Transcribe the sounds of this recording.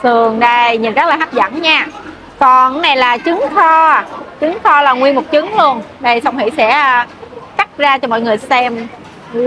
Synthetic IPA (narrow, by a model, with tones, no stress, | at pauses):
t̪ɨ˨˩əŋɗə˧jɲɨ˨˩nzə˦˥t̚laː˨˩a˦˥p̚zə̰˧˥nɲaː˧ | kɔ˨˩nna˨˩jlaː˨˩t͡ɕɨ˨˦ŋt̪ʰɔ˧˨˩t͡ɕɨ˨˦ŋt̪ʰɔ˧laː˨˩ŋwi˧ənmʊ˨˩k͡p̚t͡ɕɨ˨˦ŋlu˧ənɗə˧jsa˧wŋ͡mhḭ˧˥sɛ̰˧˥ | ka˦˥t̚zaː˧t͡ɕɔ˧mɔ̰˧˨jŋɨ˨˩əjsɛ˧m